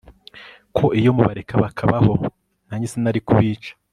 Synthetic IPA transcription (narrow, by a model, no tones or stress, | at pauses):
kʰo̞ʔijo̞muβaɾekʰaβakʰaβaho̞ | naːɲisenaɾikuβiːt͡ʃḁ